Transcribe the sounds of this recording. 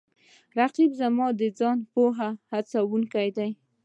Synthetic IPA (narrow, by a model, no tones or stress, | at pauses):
ɾaqibzamɑd̪əd͡zɑnpoɦahat͡sawuŋkajd̪aj